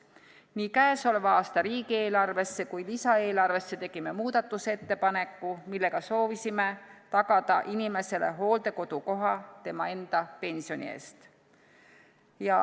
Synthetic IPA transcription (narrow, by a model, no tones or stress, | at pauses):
niːkæeso̞levɑɑːst̪ɑɾiːɡie̞ːlɑrve̞sːe̞kujlisɑe̞ːlɑrve̞sːe̞t̪e̞ɡ̥ime̞muːd̪̥ɑt̪ːˑuse̞t̪ːe̞pɑne̞kːumilːe̞ɡ̥ɑso̞ːvisime̞t̪ɑɡ̥ɑd̪̥ɑʔinime̞se̞le̞̰ɦo̞ːld̪̥e̞ko̞d̪̥uko̞ɦɑt̪e̞mɑe̞nd̪̥ɑpe̞nsio̞nʲḭe̞̰ːst̪ | jɑ